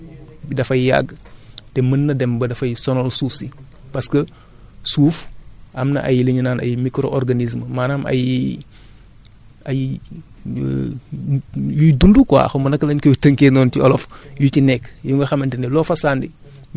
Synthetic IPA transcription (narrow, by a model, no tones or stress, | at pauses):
bdɐfɐjja̰ɡtɛmənːɐdɛmbɐdɐfɐjsɔnɔlsuːfsipɐskə | suːfʔɐmnɐ̰ʔa̰jləɲinaːnʔɐ̰jimikɾoʔɔɾɡanis̬mmaːnaːmʔɐ̰j | aji | jujdundukwa̰ːxɐmɐnɐkːɐlɐɲkɔjutəŋkeːnɔːntiɔ̰lɔfjucinɛkːjuŋɡɐxɐmɐntinɛlɔːfɐsaːndi